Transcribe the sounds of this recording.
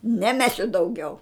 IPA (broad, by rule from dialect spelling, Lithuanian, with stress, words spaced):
nʲɛˈmʲæːsʲʊ dɐʊˈɡʲɛʊ